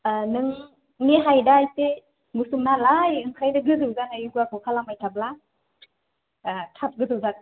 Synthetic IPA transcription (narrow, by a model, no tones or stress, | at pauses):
anɯŋ | neɦajdajte | musuŋnalajɯŋkʰajnaɡɯzɯzanajɡuakʰɯkʰalamajtʰap̚la | atʰap̚ɡɯzɯwzak̚